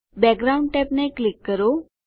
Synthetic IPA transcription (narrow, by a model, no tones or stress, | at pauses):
bɛk̚ɡɾauɳɖ̚ʈɛpneklikːəɾo